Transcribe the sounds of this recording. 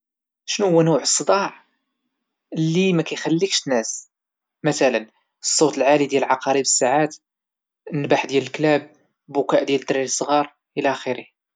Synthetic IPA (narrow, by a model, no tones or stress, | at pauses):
ʃnuhʊwːænuʕəsˤːəd̪ˤɑʕ | lːimækæjxælːikʃt̪næs | mæt̪ælən | əsˤːot̪əlʕalid̪jælʕɑqɑɾibəsːaʕat̪ | nbaħd̪jæləlklæb̚ | bʊkæʔd̪jæləd̪ɾiləsˤːɣɑɾˤ | ʔəlæʔæxəɾih